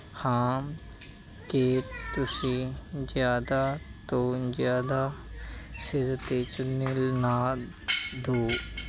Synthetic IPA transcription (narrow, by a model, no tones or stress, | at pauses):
hãːm | keːt̪ʊsizjaːd̪at̪oːzjaːd̪a | sɪɾt̪et͡ʃʊnelnaː | d̪oː